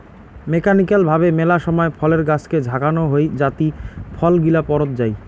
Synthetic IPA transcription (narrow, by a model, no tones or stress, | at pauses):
mekanikalbʱabemelaʃɔmɔepʰɔleɾɡat͡ɕʰked͡ʑʱakanoɦojd͡ʑat̪ipʰɔlɡilapɔɾot̪̚d͡ʑaj